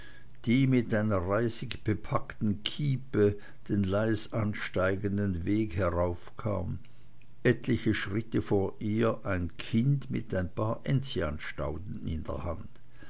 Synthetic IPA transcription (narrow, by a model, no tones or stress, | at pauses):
d̥iːmɪtʔaɪnɐʁaɪzɪçb̥əpʰaktn̩kʰiːpə | d̥eːnlaɪsanʃtaɪɡəndənveːkhɛʁaʊfkʰa̰ːm | ʔɛtlɪçəʃʁ̥ɪtəfoːɐʔiːɐʔaɪnkʰɪndmɪ̰taɪnpʰaːɐʔɛnt͡sianʃta̰ʊtn̩ɪ̰ndɛ̰ɐha̰nt